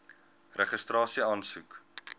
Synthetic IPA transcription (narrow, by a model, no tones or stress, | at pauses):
rəχəstɾɑːsiɑːnsuk